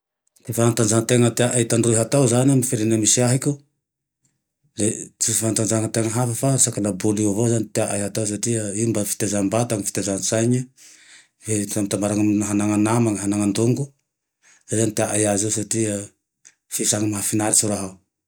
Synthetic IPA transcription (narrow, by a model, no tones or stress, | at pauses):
t̪ifaant̪anzaŋt̪eŋət̪eaʔait̪aɳɖ͡ʐuiɦat̪awzanamafeɾenamisiaɦikʲu | let͡suifaant̪and͡ʒaŋat̪eŋəɦafafasakalabuliavozanit̪eaʔajɦat̪aws̬atiaiumbafi̥t̪ezambat̪aŋifi̥t̪ezansajɲa | esamit̪ambaɾaŋaaɦanaŋanamaŋaɦanaŋand̪uŋɡu | lezanit̪eaʔajaziwsatia | fisaŋamaɦafinaɾisuɾaɦaw